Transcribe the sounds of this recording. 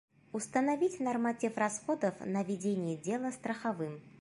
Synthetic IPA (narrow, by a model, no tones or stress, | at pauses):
ʊst̪ənavʲitʲnɐrmatʲifrɐsxod̪əfnəvʲɪdʲenʲɪjədʲelˠəst̪ɾəxavɨm